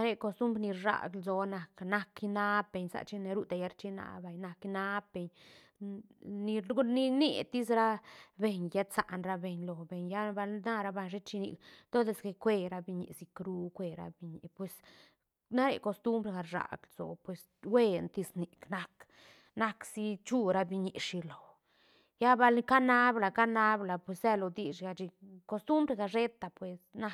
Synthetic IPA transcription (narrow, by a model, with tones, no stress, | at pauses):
na˦ɾe˧ko˧st̪u˦mbɾni˧ɾʂa̰˨ɡlzo˨na˨kna˦ki˧na˦p̚be˧ɲsa̰˧t͡ʃi˦ne˧ɾu˦d̪a˧ja˧˦ɾt͡ʃi˦na̰˧˨ba˨jna˧ki˧na˦pbe˨ɲ | ni˧ɡu˦ni˧nḭ˧˨t̪i˦sɾa˦be˧ɲja˦t̪sa̰˨ʔnɾa˧be˧ɲlo˨be˨ɲja˦ba˧lna˦ɾa˧ba˧˨ʃe˦t͡ʃi˧nḭ˧kd̪o˦d̪e˧sɡe˧kʷe˧ɾa˧bi˧ɲḭ˧ʔsi˧kɾu˦kʷe˧ɾa̰˧bi˧ɲi˨pwe˨s | na˦ɾḛ˨ko˧st̪u˦mbɾe˧ɡa˧ɾʂa̰˨ɡlzo̰˨pwe˨s | we˦nt̪i˧sni˨kna˦k | na˦ksi˦t͡ʃu˦ɾa˧˦bi˧ɲi˨ʔʂi˧lo˨ | ja˦ba˧lka˦na˦bla˨ka˦na˦bla˨pwe˨se˧lo˧d̪i˨ʃɡa˧t͡ʃi˧ko˧st̪u˦mbɾe˧ɡa˧ʐe˦t̪a˨pwe˨sna˧